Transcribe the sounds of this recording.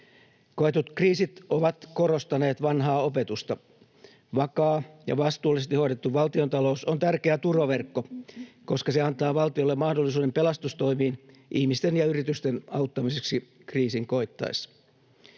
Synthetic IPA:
koet̪ut̪kriːsit̪oʋɑt̪korost̪ɑneːt̪ʋɑnɦɑːopet̪ust̪ɑ | ʋɑkɑːjɑ̰ʋɑst̪uːlːˑisest̪ihoiɾet̪ːuʋʋɑlt̪iont̪ɑlousont̪ærkeæt̪uroʋerkːoko̞skɑseɑnt̪ɑːʋɑlt̪iolːemɑhdolːisuːdempelɑst̪ust̪o̞imiːn | ʔihmist̪enjɑyrit̪yst̪enɑut̪ːɑmiseksi | kriːsiŋko̞it̪ːɑ̰isː

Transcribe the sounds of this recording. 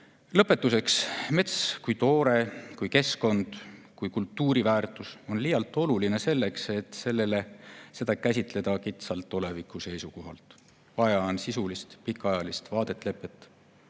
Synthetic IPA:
lɤpːˑe̞t̪ːˑuse̞ksme̞t̪skujt̪o̞ːɾe̞kujke̞sko̞nd̪̥kujkult̪ːuːɾivæːrt̪ˑuso̞nlijɑlt̪ːˑo̞luline̞se̞lːe̞kse̞t̪ːse̞lːe̞le̞se̞d̪̥ɑkæs̬ʲit̪ˑle̞d̪̥ɑkit̪sɑlt̪ːole̞vikːˑuse̞jsuko̞ɦɑ̰lt̪ | vɑjɑnsisulist̪pikːˑɑjɑlist̪vɑːd̪̥e̞t̪ːˑle̞pːˑet̪ːˑ

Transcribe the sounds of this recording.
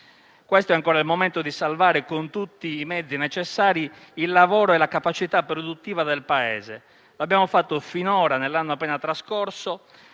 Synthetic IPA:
kwɛst̪oɛaŋkɔːɾailmomɛnt̪od̪isalvaːɾekont̪ut̪ːiːmɛd̪zːinɛt͡ʃɛsːaːɾiː | lːavɔːɾoɛlakapat͡ʃit̪apːɾod̪ut̪ːiːvad̪elpaɛ̰ːze | loabːjaːmofat̪ːofinɔːɾanelːanːoapːɛːnat̪ɾaskɔrso

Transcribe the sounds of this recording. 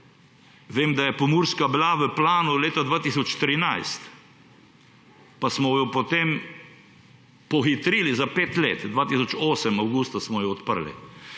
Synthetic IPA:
ʋeːmd̪ajɛpɔmuɾskabilaʋəplaːnuleːt̪ad̪ʋaːt̪isɔt͡ʃt̪ɾinajst̪ | pasmɔjɔpɔt̪em | pɔxit̪ɾiːlizapeːt̪lḛːt̪d̪ʋaːt̪is̬ɔt͡ʃoːsəmawɡust̪asmɔjɔɔt̪pəɾlḭ

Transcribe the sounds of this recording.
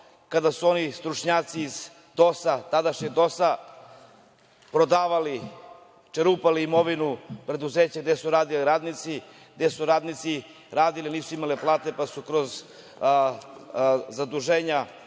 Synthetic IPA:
kad̪asuo̞nist̪ɾut͡ʂɲaːt̪siːz | d̪o̞sat̪ad̪aʃɲeɡd̪o̞sa | pɾod̪aːʋali | t͡ʃeɾuːpaliːmo̞ʋinupɾe̞d̪uzeːt͡ɕaɡ̚d̪esuɾaːd̪iliɾaːd̪nit̪si | ɡd̪esuɾaːd̪nit̪si | ɾaːd̪iliniːsuimaleplˠaːt̪e̞pasukɾoz | zad̪uʒeːɲa

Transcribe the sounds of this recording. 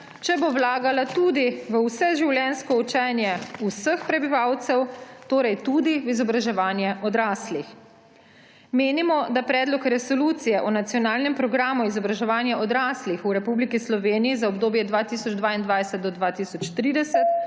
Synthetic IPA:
t͡ʃɛbowlaːɡalat̪ud̪iʋəwsɛʒiwljɛnskɔut͡ʃɛnjɛusəxpɾɛbiʋawt̪sɛwt̪oːɾɛjt̪ud̪iʋizɔbɾaʒɛʋaːnjɛʔɔd̪ɾaːslix | meːnimɔd̪apɾɛːd̪lɔkɾɛsɔluːt̪sijɛʔɔnat̪sijɔnaːlnɛmpɾɔɡɾaːmuizɔbɾaʒɛʋaːnjaɔd̪ɾaːslixuɾɛpublikislɔʋeːnijizaɔbd̪oːbjɛd̪ʋat̪iːsɔd͡ʒd̪ʋaːind̪ʋajsɛt̪̚d̪ɔd̪ʋaːt̪isɔt͡ʃt̪ɾiːd̪ɛsɛt̪̚

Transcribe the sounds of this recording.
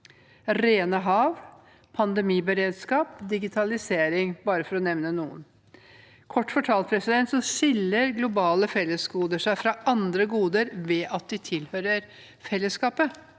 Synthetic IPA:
ɾeːnəɦɑːʋ | pʰɑnd̪ɛmiːbəɾeːd̪skɑːpd̪ɪɡɪt̪ʰɑlɪseːɾɪŋbɑːɾəfɔɾɔnɛʋnənuːə̰n | kʰɔʈːfɔʈʰɑːlt̪̚pʰɾɛsɪd̪ɛnt̪sɔʃɪlːəɾɡlʊbɑːləfɛlːəsɡuːd̪əʂæɪfɾɑʔɑnd̪ɾəɡuːd̪əɾʋeːʔɑt̪̚d̪ɪt̪ʰɪlhøːɾəɾ | fɛlːəskɑːpə

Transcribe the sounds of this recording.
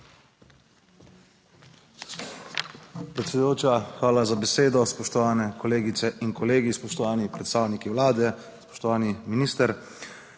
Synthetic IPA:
pɾɛt̪sɛd̪ujoːt͡ʃaxʋaːlazabɛseːd̪ɔspɔʃt̪ɔʋaːnɛkɔleːɡit̪sɛʔinkɔleːɡispɔʃt̪ɔʋaːnipɾɛt̪st̪aːwnikiwlaːd̪ɛ | spɔ̥ʃt̪ɔʋaːniminiːst̪əɾ

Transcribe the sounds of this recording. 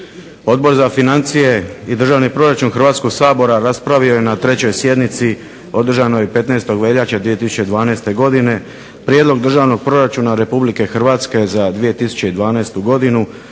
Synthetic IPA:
o̞d̪̚bo̞ɾzafinant̪sije̞id̪r̩ʒaːʋnipɾo̞ɾat͡ʃunxr̩ʋaːt̪sko̞ɡsaːbo̞ɾaɾaspɾaʋio̞je̞nat̪ɾe̞t͡ɕo̞jsje̞d̪nit̪si | o̞d̪r̩ʒanojepe̞t̪naest̪o̞ɡʋe̞ʎat͡ɕad̪ʋije̞t̪isu̥t͡ɕe̞id̪ʋaːnaːst̪e̞ɡo̞d̪ine̞ | pɾjed̪lo̞ɡd̪r̩ʒaːʋno̞ɡ̚pɾo̞ɾat͡ʃunaɾe̞publike̞xr̩ʋaːt̪ske̞zad̪ʋije̞t̪isu̥t͡ɕe̞id̪ʋaːnaːst̪uɡo̞d̪inu

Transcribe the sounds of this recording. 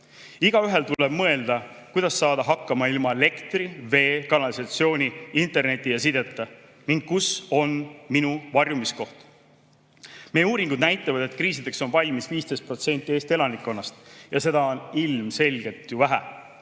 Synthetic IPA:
iɡ̥ɑyɦe̞lt̪ule̞b̥mɤe̞ld̪̥ɑ | kujd̪̥ɑsːɑːd̪̥ɑɦɑkˑːɑmɑilmɑele̞kt̪rive̞ːkɑnɑlisɑt̪sio̞ːnʲiint̪ˑe̞rne̞t̪ʲːˑijɑsid̪e̞t̪ːˑɑ | niŋɡ̥̚kuso̞nminuvɑrjumisko̞ht̪ | mejeuːɾiŋɡ̥ud̪̥næjt̪ˑːɑvɑd̪̥e̞t̪kriːs̬id̪e̞kso̞nvɑlʲmisviːst̪e̞st̪̚pro̞t̪se̞nʲt̪ːˑie̞ːst̪e̞lɑnikːˑo̞nːɑst̪jɑse̞d̪̥ɑo̞nilmse̞lʲɡ̥e̞lt̪juvæɦæ

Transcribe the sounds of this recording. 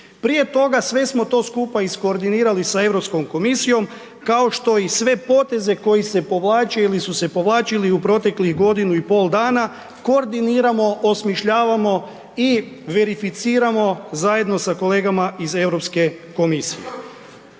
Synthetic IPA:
pɾije̞t̪o̞ɡasʋe̞smo̞t̪o̞ːskuːpaisko̞ːɾd̪iniːɾalisae̞ʋɾo̞psko̞mko̞misijo̞m | kao̞ʃt̪o̞isʋe̞po̞t̪e̞ze̞ko̞jise̞po̞ʋlˠaːt͡ʃeilisuse̞po̞ʋlˠaːt͡ʃiliupɾo̞t̪e̞kliɣɡo̞d̪inuipo̞ːld̪aːna | ko̞ːɾd̪iniːɾamo̞osmiʃʎaːʋamo̞ | iʋe̞ɾifit̪siːɾamo̞zaje̞d̪no̞sako̞le̞ːɡamaize̞ʋɾo̞pske̞ko̞misḭje̞̰

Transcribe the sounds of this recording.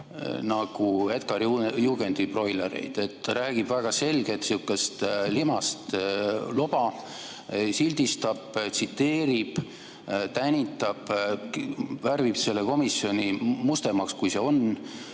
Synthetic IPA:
nɑɡ̥ue̞t̪̚kɑɾjuɡ̥e̞nd̪ipro̞jlḛɾḛjd̪̥e̞t̪ːɾæːɡ̥ib̥væɡ̥ɑse̞lɡe̞t̪siukːˑest̪limɑst̪lo̞b̥ɑ | silʲd̪̥ist̪ɑb̥t̪sit̪ːe̞ːɾib̥ | t̪ænʲit̪ːˑɑb̥ | værvibse̞lːe̞ko̞misio̞nʲimust̪e̞mɑkskujse̞o̞n

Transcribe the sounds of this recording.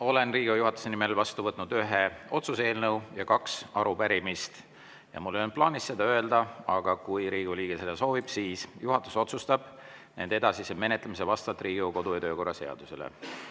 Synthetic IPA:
o̞le̞nriːɡ̥ujuɦɑt̪ːˑu̥se̞nime̞lvɑst̪uvɤt̪ːˑnud̪yɦe̞o̞t̪suse̞ːlnəwjɑkɑksɑɾupæɾimist̪ | jɑ̰mulːøn̚plɑːnisːe̞d̪ɑø̞e̞ld̪̥ɑɑɡ̥ɑkujɾiːɡ̥uliːɡ̥ese̞d̪̥ɑso̞ːvib̥siːsjuɦɑt̪ːˑu̥so̞t̪sust̪ɑb̥ne̞nd̪e̞d̪̥ɑsiseme̞ne̞t̪lemis̬evɑst̪vɑt̪ːˑriːɡuko̞d̪ujɑt̪øːko̞rːɑse̞ɑ̰d̪̥use̞̰lḛ

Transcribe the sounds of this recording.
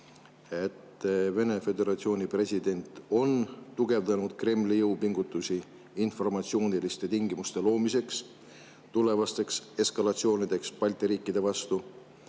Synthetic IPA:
e̞t̪ːve̞ne̞fe̞d̪e̞ɾɑt̪sio̞ːnʲipre̞sʲid̪e̞nʲt̪ˑo̞nt̪uɡ̥e̞vd̪ɑnud̪̥kre̞mlijɤwpiŋɡ̥ut̪ːˑusiː | nfo̞rmɑt̪sio̞ːnilist̪e̞t̪iŋɡimust̪e̞lo̞ːmise̞ks | t̪ule̞vɑst̪e̞kse̞skɑlɑt̪sio̞ːnid̪̥e̞kspɑlʲt̪iɾiːkːid̪̥e̞vɑst̪u

